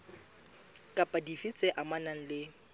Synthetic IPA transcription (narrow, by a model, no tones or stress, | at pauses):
kʼapʼadifit͡sʼɛʔamanaŋ̩lɪ